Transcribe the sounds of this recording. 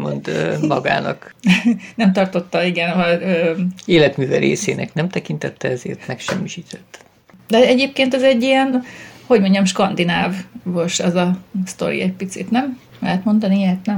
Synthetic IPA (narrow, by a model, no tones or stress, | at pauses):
mond̪mɒɡa̰ːnɒk | nɛmt̪ɒrt̪o̞t̪ːɒiɡɛnɦɒøːeːlɛt̪myːvɛɾeːseːnʔɛ̰knɛmt̪ɛkint̪ɛt̪ːɛɛzeːrt̪mɛkʃɛmːiʃiːt̪ʰɛ̥t̪ː | d̪ɛɛɟeːp̚keːnt̪ɛzɛɟːiɛnho̞ɟmo̞ɲɟɒmʃkɒnd̪inaːvːoʃɛzɒst̪o̞̰ɾḭɛcpit̪sḭt̪nɛm | lɛɦɛt̪mo̞nd̪ɒniet̪nɛ